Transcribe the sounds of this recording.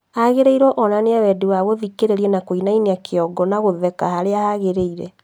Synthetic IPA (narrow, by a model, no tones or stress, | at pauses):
haɣeɾeiɾɔʔɔnaneawɛdewaɣoðikeɾeɾiɛnakoinainiakʰeɔɡɔnaɣoðɛkahaɾeahaɣeɾeiɾɛ̰